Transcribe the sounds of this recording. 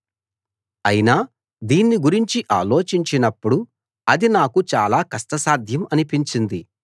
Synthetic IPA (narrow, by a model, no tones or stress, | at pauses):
ɐjinaː | d̪iːnːiɡuɾiɲt͡ʃiʔa̰ːlo̞ːt͡ʃiɲt͡ʃinɐpːuɽu | ɐd̪inaːkut͡ʃaːlaːkɐst̪ɐsaːd̪ʱjɐmɐnipiɲt͡ʃind̪i